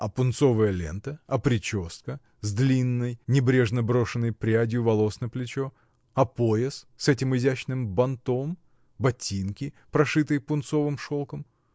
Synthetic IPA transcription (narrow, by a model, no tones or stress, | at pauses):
ɐpʊnt̪so̞vəjəlʲe̞̰nt̪əɐpɾʲɪt͡ɕo̞st̪̚kə | zd̪lʲinːəjnʲɪbɾʲe̞ʐnəbɾo̞ʂɨnːəjpɾʲɪadʲɪjʊvɐlˠo̞snəplʲɪt͡ɕo | ɐpojɪssɛtʲɪmɨzʲæt͡ɕnɨmbɐnt̪om | bɐtʲinkʲɪ | pɾɐʂɨt̪ɨjpʊnt̪so̞vɨmʂo̞lˠkəm